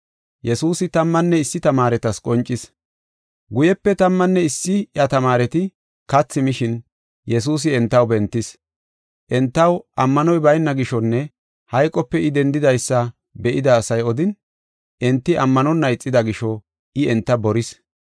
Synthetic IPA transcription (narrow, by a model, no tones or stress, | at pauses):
jɛsuːsɪt̪ɐmːɐnːɛɪsːɪt̪ɐmaːɾɛt̪ɐskʼɔnt͡ʃʼːɪs | ɡʊjɛpːɛt̪ɐmːɐnːɛɪsːɪjɐt̪ɐmaːɾɛt̪ɪ | kɐt͡sːɪmɪʃɪn | jɛs̬uːs̬ɪɛnt̪ːɐwbɛnt̪ːɪs | ʔɛnt̪ːɐwʔɐmːɐnɔjbɐjnːɐɡɪʃɔnːɛ | hɐjkʼɔpːɛɪd̪ɛnd̪ɪd̪ɐjsːɐ | bɛʔɪd̪ɐːsɐjɔd̪ɪn | ʔɛnt̪ːɪʔɐmːɐnɔnːɐjt͡sʼːɪd̪ɐɡɪʃɔ | ɪɛnt̪ːɐbɔɾɪs